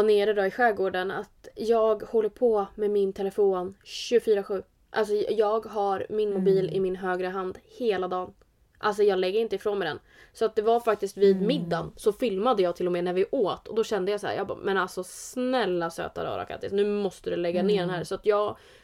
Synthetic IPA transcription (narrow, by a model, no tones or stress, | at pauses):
neːɾəd̪ɔɪɧɛːɡoːɖəna̰t̪jɑːɡhɔlːəɾpʰɔmɛmɪnt̪ʰɛlɛfoːnɕɵɡfyːɾaɧʉ̟ː | ʔa̰ls̬ɔjɑːɡɦaɾmɪnmʊbiːlɪmɪnɦøːɡɾəɦand̪heːlad̪ɑːn | ʔals̬ɔjɑːɡlɛɡːəɾɪnt̪əɪfɾoːnmɛd̪ɛn | sɔat̪̚d̪ɛvaɾfak̚t̪ɪst̪viːd̪mɪd̪ːansɔfɪlmad̪əjɑːɡ̚t̪ʰɪlːɔmɛːnæɾvɪʔoːt̪ʰɔd̪ɔɕɛnd̪əjɑːsaæ̰ːɾjɑ̰ːbmɛnalsɔsnɛlːasø̰ːt̪a̰ɾɑ̰ːɾa̰kʰa̰t̪ːɪ̰snʉ̟ːmɔst̪əd̪ɵlɛɡːaneːɖɛnɦæːɾsɔat̪jɑːɡ